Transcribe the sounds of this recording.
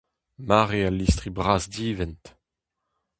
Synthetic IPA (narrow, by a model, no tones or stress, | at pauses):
maʁealistχibʁaːzdiːvɛnt